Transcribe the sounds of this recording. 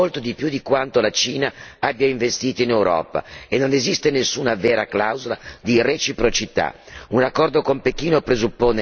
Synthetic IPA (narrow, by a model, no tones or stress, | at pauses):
olt̪od̪ipjud̪ikwant̪olat͡ʃiːnaabːjaiɱvest̪iːt̪oinewɾɔ̰ːpa̰enːonezist̪enesːuːnavɛːɾaklawzola̰d̪iret͡ʃipɾot͡ʃit̪a̰unakːɔrd̪okompekiːnopɾezupːoːne